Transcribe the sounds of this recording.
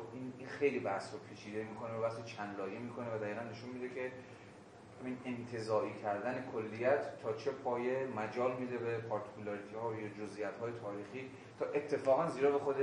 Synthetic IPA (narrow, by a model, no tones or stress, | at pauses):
ininxe̞jliːbæsopʰit͡ʃʰiːd̪emiːkʰo̞neæbæset͡ʃʰænlɒːjemiːkʰo̞nevæd̪æiːɣænːe̞ʃunmid̪ecʰe̞ | hæmiːnent̪ʰe̞zɒːʔiːcʰæɾd̪æne̞kʰolːijæt̪ːʰɒːt͡ʃʰe̞pʰɒːje̞mæd͡ʒɒːlmiːd̪e̞bepʰɒɾt̪ʰi̥kulɒɾit̪ʰihɒːjd͡ʒozʔijæt̪hɒːjet̪ʰɒːɾiːxiː | t̪ʰɒːʔet̪ʰːe̞fɒːɣænziːɾɒːbexod̪e